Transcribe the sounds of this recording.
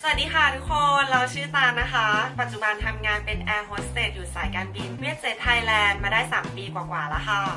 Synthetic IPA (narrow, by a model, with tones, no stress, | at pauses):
sa˧˩˨t̪̚diː˧xa˦˥˩t̪ʰu˦˥kʰo˧nɾa˧wt͡ɕʰɯː˥˩t̪aː˧nna˦˥xʰa˦˥pa˨˩t̪̚t͡ɕu˨˩ba˧nt̪ʰa˧mŋaː˧npe˧nʔɛː˧ɦoː˦˥st̪eː˨˩t̪̚juː˨˩saː˨˩˦jkaː˧nbi˧nwi˥˩ət̪̚seː˨˩t̪ʰːa˧jlɛː˧nmaː˧daː˥˩jsaː˩˦mpiː˧kwaː˨˩kwaː˨˩lɛː˦˥kʰa˥˩